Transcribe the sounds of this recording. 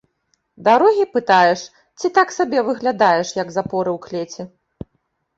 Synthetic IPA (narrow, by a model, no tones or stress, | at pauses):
d̪aɾɔɣʲipɨt̪ajɛʂ | t͡sʲit̪aksabʲɛvɨɣlʲad̪ajɛʂjɐɡzapɔɾɨwklʲet͡sʲɛ